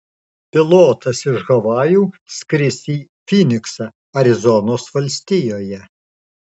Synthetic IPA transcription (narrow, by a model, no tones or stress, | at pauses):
pʲɪlˠoːt̪ɐsɪʒɣɐʋɑːjuːskɾʲɪsʲiːfʲinʲɪksɐ | ɐɾʲɪzɔnoːsʋɐlʲsʲt̪ʲɪjoːjɛ